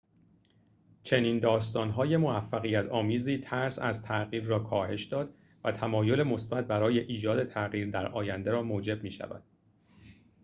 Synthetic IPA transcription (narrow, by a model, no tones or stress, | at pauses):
t͡ʃʰe̞niːnd̪ɒːst̪ɒːnɦɒːje̞mo̞væfːæɣijæt̪ʰɒːmiːziːt̪ʰæɾsæ̰zt̪ʰæʔɣiːɾːɒːkʰɒːhe̞ʃd̪ɒːd̪̥ | væt̪ʰæmɒːjo̞le̞mo̞sbæt̪̚bæɾɒːje̞ʔiːd͡ʒɒːd̪e̞t̪ʰæɣiːɾd̪æɾɒːjænd̪eɾɒːmoːd͡ʒe̞b̚miːʃæ̰væ̰d̪̥